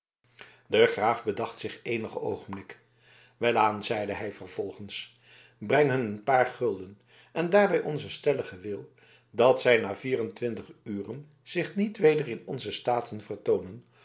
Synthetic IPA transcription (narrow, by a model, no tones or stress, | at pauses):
dəχraːvbədɑχtsɪχejnəχəo̰wχəmblɪkə | ʋɛlaːnzɛjdəɦɛjvəɹv̥ɔlˠχəns | brɛŋɦɵnənpaːɹχɵlˠdən | ʔɛndaːɹʋɛjʔɔnzəstɛləχəʋɪlˠ | dɑtsɛjnaːviːrəntʋɪntəχyːrən | z̥ɪχnitʋejdərɪnɔnzəstaːtʰənvəɹtownən